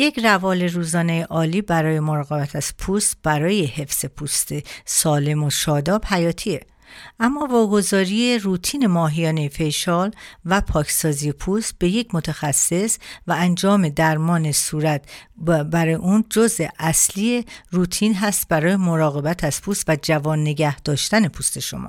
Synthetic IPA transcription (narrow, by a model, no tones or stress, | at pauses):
je̞crævɒːle̞ɾuːzɒːne̞jeʔɒːliːbæɾɒːje̞mo̞ɾɒːɣe̞bæt̪ʰæz̥pʰuːst̪b̥æɾɒːje̞he̞fz̥e̞pʰuːst̪esɒːle̞moʃɒːd̪ɒːb̥hæjɒːt̪ʰie | ʔæmːɒːvɒːɡo̞zɒːɾije̞ruːt̪ʰiːne̞mɒːɦijɒːne̞jefe̞ʃɒlvæpʰɒːcʰsɒːzije̞pʰuːst̪̚b̥e̞je̞cʰmo̞t̪ʰæxæsːe̞svæænd͡ʒɒːme̞d̪æɾmɒːne̞suːɾæt̪bæɾɒeʔund͡ʒozeʔæslieruːt̪ʰiːnɦæst̪̚bæɾɒːjemo̞ɾɒːɣe̞bæt̪ʰæz̥pʰust̪væd͡ʒævɒːnːe̞ɟæhd̪̥ɒːʃt̪æne̞pʰust̪e̞ʃo̞̰mɒ̰ː